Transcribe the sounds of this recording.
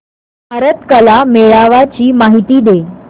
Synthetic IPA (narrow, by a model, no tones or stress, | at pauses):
bʱaɾət̪kəlameɭaʋat͡ɕiːmaɦit̪iːd̪e